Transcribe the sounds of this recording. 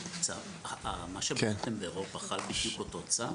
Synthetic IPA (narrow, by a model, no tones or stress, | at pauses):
t͡sav | amaʃeket̪embeːʁo̞paχalbidjukot̪ot͡sa